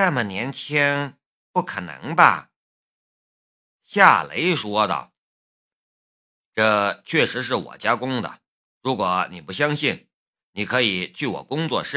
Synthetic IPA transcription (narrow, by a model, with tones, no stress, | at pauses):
na˥˩mə˩njɛ˧˥nt͡ɕʰjɛ˥n | pu˥˩kʰə̰˨˩nɤ̰˧˥ŋbɐ̰˧ | ɕja˥˩lḛ˧˥ɪʂwɔ˥d̪ə̰˨˩ | ʈ͡ʂɤ˥˧t͡ɕʰɥɛ˥˩ʂɻ̩˧˥ʂ̬ɻ̩˥˩wɔ̰˨˩t͡ɕja˥kʊ˥ŋd̪ə̰˨˩ | ɻu˧˥kwɔ˧˥ni˨˩pu˧˩ɕ̬jɑ˥ŋɕi˥˩n | ni˨˩kʰɤ˧˥i˨˩t͡ɕʰy˥˩wɔ̰˨˩kʊ˥ŋt͡swɔ̰˥˧ʂɻ̩˥˩